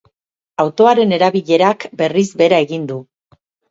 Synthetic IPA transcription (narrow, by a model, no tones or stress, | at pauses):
awt̪o̞aɾe̞ne̞ɾaβiʎe̞ɾakbe̞rizbe̞ɾae̞ɣind̪u